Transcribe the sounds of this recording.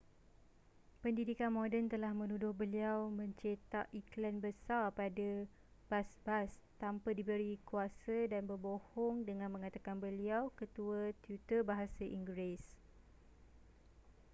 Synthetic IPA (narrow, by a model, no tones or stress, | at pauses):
pəndidikanmõdənt̪əlahmə̃nũdʊhbəliawmə̃ɲt͡ʃet̪aʔiklanbəsarpada | b̥asbast̪ampədibəɾikuasədanbərbohɔŋdəŋãnmə̃ŋat̪akanbəliawkət̪uət̪jut̪əbaɦasaʔiŋɡɾes